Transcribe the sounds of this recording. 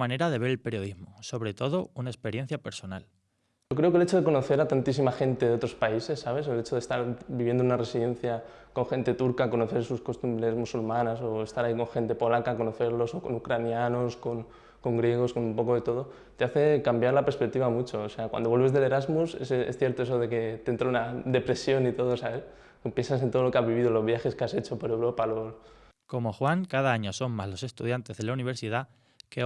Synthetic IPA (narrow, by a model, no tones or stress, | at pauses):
mãne̞ɾaðe̞βe̞ɾelpe̞ɾjo̞ðizmo̞so̞βɾe̞t̪o̞ðo̞unaespe̞ɾje̞n̟θjape̞ɾsonal | ok̬ɾe̞okele̞t͡ʃo̞ð̞eko̞no̞θe̞ɾat̪ant̪isimaxe̞nt̪e̞ðeo̞t̪ɾo̞spaise̞sːaβ̞e̞se̞le̞t͡ʃo̞ð̞est̪aɾbiβje̞nd̪ounare̞siðe̞n̟θja | ko̞ŋxe̞nt̪e̞t̪uɾkako̞no̞θe̞ɾsusko̞st̪umbɾe̞zmusulmãnas̬o̞est̪aɾaiko̞ŋxe̞nt̪e̞po̞lakako̞no̞θe̞ɾlo̞soko̞̰nukɾanjano̞sko̞n | ko̞ŋɡɾje̞ɣ̞o̞sko̞numpo̞ko̞ðe̞t̪o̞ð̞o̞ | t̪e̞aθe̞kambjaɾlapeɾspe̞k̚t̪iβamut͡ʃoːseakwa̰nd̪owe̞lβ̞e̞zðe̞le̞ɾazmusesesθje̞ɾt̪o̞esoð̞e̞ke̞t̪eent̪ɾounaðe̞pɾe̞sjo̞nit̪o̞ð̞osaβe | kpje̞nsas̬ent̪oolo̞keaβiβ̞ið̞olo̞zβjaxe̞skease̞t͡ʃo̞poɾe̞wɾo̞palos | ko̞mo̞xwaŋkaðaaɲo̞so̞mmazlo̞se̞st̪uðjant̪e̞zðe̞launiβ̞e̞ɾsiða | ke